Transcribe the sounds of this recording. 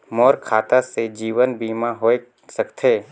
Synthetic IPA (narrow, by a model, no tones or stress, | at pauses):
mɔːɾkʰaːt̪ased͡ʒiːʋənbiːmaɦoːe | səkt̪ʰeː